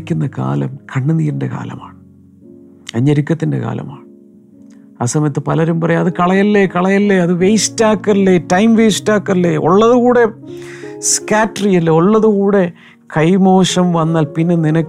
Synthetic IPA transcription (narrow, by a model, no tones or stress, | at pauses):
kʲːunːɐka̰ːlɐ̰mkʰɐɳːɨniːɾinde̞̰ka̰ːlɐ̰ma̰ːɳɨ | ɐɲːɐɾikʲːɐt̪ːinde̞̰ka̰ːlɐ̰ma̰ːɳɨ | aːsɐmɐjɐt̪ːɨpɐlɐɾumpɐrɐjɐɐðɨkɐɭɐjɐlːekɐɭɐjɐlːeɐðɨʋejsi̥tːaːkːɐlːetɐjmʋejsi̥tːaːkːɐlːeʔo̰ɭːɐðuɣuːɽe̞ | skaːtrijɐlːeoɭːɐðukuːɽe̞ | kɐjmo̞ːʂɐmʋɐnːaːlpinːe̞ninɐkː